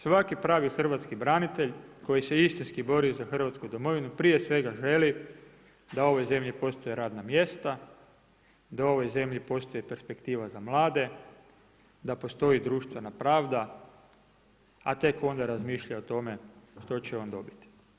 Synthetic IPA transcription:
sʋakipɾaːʋixr̩ʋat̪skibɾanit̪e̞ʎko̞jise̞ist̪inskibo̞ɾiuzaxr̩ʋat̪skud̪o̞mo̞ʋinupɾije̞sʋe̞ɡaʒe̞li | d̪ao̞ʋo̞jze̞mʎipo̞st̪ojeɾaːd̪namje̞st̪a | d̪ao̞ʋo̞jze̞mʎipo̞st̪ojepe̞ɾspe̞kt̪iːʋazamlˠaːd̪e̞ | d̪apo̞st̪o̞id̪ɾuːʃt̪ʋe̞napɾaːʋd̪a | a̰t̪e̞ko̞nd̪aɾazmiːʃʎaot̪o̞me̞ʃt̪o̞t͡ɕeo̞ːnd̪o̞bi̥t̪i̥

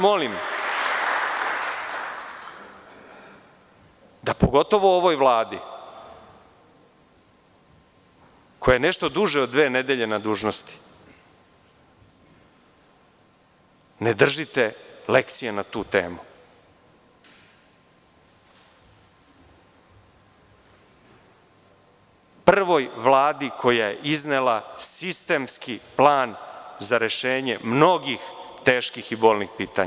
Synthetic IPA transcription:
molim | d̪apo̞ɡo̞t̪o̞ʋooʋojʋlˠaːd̪i | ko̞jeeneʃt̪o̞d̪uʒeoːʋe̞ːned̪eʎe̞nad̪uːʒnost̪i̥ | ned̪r̩ʒit̪ele̞kt̪sijenat̪uːt̪ḛːmu | pr̩ʋo̞jʋlˠaːd̪ikʰo̞jajeʔiznelasist̪e̞mskiplaːnzaɾeʃeːɲemno̞ɡixt̪e̞ːʃkixibo̞ːlnixpiːt̪a

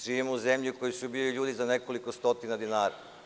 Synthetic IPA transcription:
ʒiimouzemʎiko̞jisubiliʎuːd̪izaneko̞likost̪o̞t̪inad̪inaːɾa̰

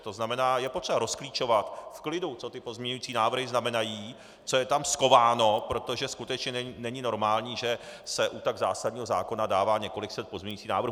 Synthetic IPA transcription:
t̪o̞znamɛnaːjɛpo̞t̪r̥ɛbaɾo̞skliːt͡ʃo̞vat̪fklɪdut͡so̞t̪ɪpo̞zmɲɛɲujiːt͡siːnaːvr̩ɦɪznamɛnajiː | t͡so̞jɛt̪amsko̞vaːno̞pɾo̞t̪o̞ʒɛskut̪ɛt͡ʃɲɛɛnɛɲɪno̞ɾmaːlɲiːʒɛsɛʔut̪aɡzaːsadɲiːɦozaːko̞nadaːvaːɲɛko̞lɪksɛt̪̚pozmɲɛɲuit͡siːna̰ːvɾ̩

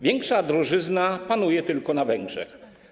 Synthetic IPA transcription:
vʲjɛŋkʂad̪ɾɔʐɘznapanujɛt̪ɘlkɔnavɛŋɡʐɛ̰x

